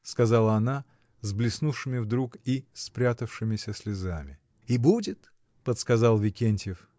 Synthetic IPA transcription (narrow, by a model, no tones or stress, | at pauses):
skɐzalˠəɐna | zblʲɪsnufʂɨmʲɪvd̪ɾukispɾʲat̪əfʂɨmʲɪsʲəsʲlʲɪzamʲɪ | ibudʲɪt̪ | pət̪skɐzalˠvʲɪkʲenʲtʲjɪf